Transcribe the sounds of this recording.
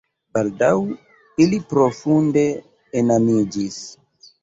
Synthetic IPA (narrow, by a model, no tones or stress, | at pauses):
baldaw | ilipɾo̞funde̞ː | namid͡ʒis